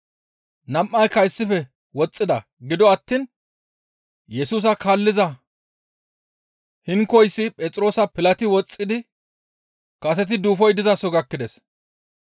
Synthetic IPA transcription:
nɐmʔːɐjkːɐɪsːɪfɛ | wɔt͡sʼːɪd̪ɐ | ɡɪd̪ɔɐt̪ːiːn | jɛsuːs̬ɐkaːlːɪzɐ | hɪŋkɔjsːɪpʼɛt͡sʼɾo̞ːsɐpɪlɐt̪ɪwɔt͡sʼːɪd̪ɪ | kɐsɛt̪̬ɪd̪uːfɔjd̪ɪzɐsɔɡɐkːɪd̪ɛs

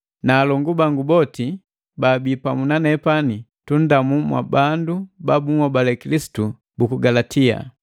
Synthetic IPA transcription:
naːlɔŋɡubaŋɡubɔti | baːbipamunanɛpanitun̩damumwa̰bandubabumɔbalɛkilisi̥tu | bukuɡalatʰia̰

